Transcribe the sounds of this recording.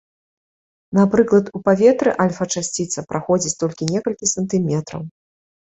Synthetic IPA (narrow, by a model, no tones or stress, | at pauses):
nɐpɾɨklˠɐt̪upavʲɛt̪ɾɨʔalʲfɐt͡ʂasʲt͡sʲit̪sɐpɾʔaxɔd͡zʲit͡sʲt̪ɔlʲkʲinʲɛkɐlʲkʲisɐnt̪ɨmʲɛt̪ɾɐ̰w